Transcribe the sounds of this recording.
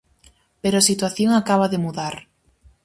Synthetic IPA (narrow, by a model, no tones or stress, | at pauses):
peɾʊasit̪waθjoŋakaβ̞aðɪmuðaɾ